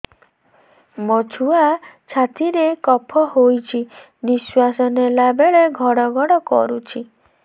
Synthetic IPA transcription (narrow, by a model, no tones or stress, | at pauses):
mɔt͡ʃʰuat͡ʃʰat̪ʰiɾekɔpʰɔhojt͡ʃʰi | niswasɔnelabeɭeɡʱɔɽɔɡʱɔɽɔkɔ̰ɾut͡ʃʰi